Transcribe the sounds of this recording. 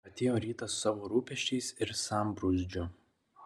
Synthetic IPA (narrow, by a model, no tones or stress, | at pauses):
ɐt̪ʲeːjoːɾʲiːt̪ɐssɑːʋoːɾuːpʲɛʃʲt͡ʃʲɛɪsɪɾsɑmbɾʊzʲd͡ʒʲʊ